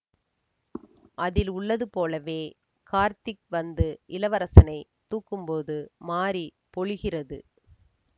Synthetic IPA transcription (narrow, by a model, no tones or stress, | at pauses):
ʔɐðɪlʊɭːɐðɯpoːlɐʋeː | kaːɾt̪ɪkʋɐnd̪ɯʔɪlɐʋɐɾɐsɐnɐɪt̪uːkːɯmpoːðɯmaːɾi | pɔɻɯɣɪrɐðɯ̰